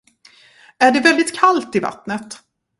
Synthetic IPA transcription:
æɖɛvɛld̪ɪt̪kʰalt̪ɪva̰t̪nət̪

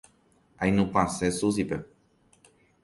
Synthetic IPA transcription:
ajnũpãsesus̬ipe

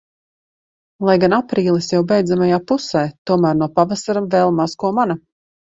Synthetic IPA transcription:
lˠajɡanapɾiːlˠisjawbɛjd̪zamajaːpusɛːt̪uɔmæːɾnuɔpavasaɾamvɛːlˠmazkuɔmana

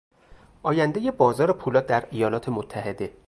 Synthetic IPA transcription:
ʔɒːjænd̪ejebɒːzɒːɾepʰuːlɒːd̪æɾijɒːlɒːt̪ʰemot̪ʰːæhe̞d̪e̞

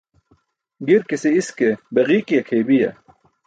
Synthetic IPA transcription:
ɡiɾkiseiskebɐɣiːkijɐkʰeːbijɐ̰

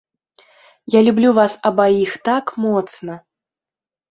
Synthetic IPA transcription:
jalʲublʲuvasɐbaixt̪akmɔt̪snɐ

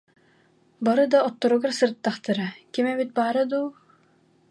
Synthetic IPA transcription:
baɾɯd̪aɔt̪ːɔɾuɡaɾsɯɾt̪ːaχt̪ɯɾakimɛbit̪̚baːɾɯd̪uː

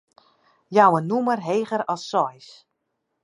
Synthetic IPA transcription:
jawənumərɦeːɣəɾɔlˠsːɔjs

